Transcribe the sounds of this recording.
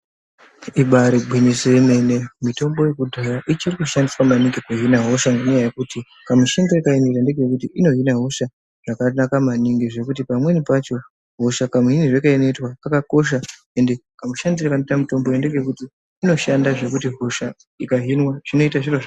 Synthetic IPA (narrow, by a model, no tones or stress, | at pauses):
iɓaɾiɡʱwiniseime̞ne̞mito̞mbo̞je̞kudʱajaʔit͡ʃirikuʃandiswamaniŋɡekuɦinaɦo̞ʃaŋɡeɲajajekuti | kamuʃindoikaenetandeɡejekutiʔino̞ɦinaɦo̞ʃa | ʐ̥akanakamaniŋɡeʐe̞kut̬ipamwe̞nipat͡ʃo̞ | ɦo̞ʃakamuɦiniʐekaenetwaakako̞ʃa | e̞nde̞ | kamuʃandirakanetamito̞mbojende̞ɡeekutiː | no̞ʃandaʐe̞kutiɦo̞ʃa | ikaɦinwaʐ̥ino̞itaʐiroʐa